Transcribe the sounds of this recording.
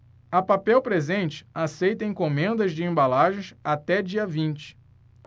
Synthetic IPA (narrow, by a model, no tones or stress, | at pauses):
ɐpapɛwpɾezẽnt͡ʃɪ̥asejt̪ɐẽkõmẽnd̪ɐzd͡ʒɪẽmbalaʒẽj̃sat̪ɛd͡ʒiɐvĩnt͡ʃɪ̥